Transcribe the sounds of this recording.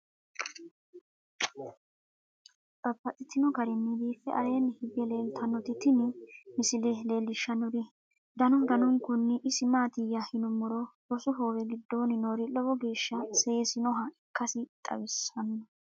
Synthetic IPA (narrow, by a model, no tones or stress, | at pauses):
t̪ʼɐbːɐt̪ʼɪt̪ːɪnɔɡɐɾɪnːɪbiːfːɛʔɐɾe̞ːnːhɪbɛle̞ːlt̪ʰɐnːɔt̪ɪt̪ɪnɪmɪsɪlele̞ːlːɪʃːɐnɔɾɪ | d̪ɐnɔnd̪ɐnɔŋkʊnːɪʔɪsɪmaːt̪ɪjɐhɪnʊmɔɾɔbɔsʊɦoːwɛɡɪd̪ːo̞ːnɪnoːɾɪlɔbɔɡe̞ːʃːɐse̞ːsɪnɔɦɐɪkːɐsɪt̪ʼɐ̰wɪsɐnːɔ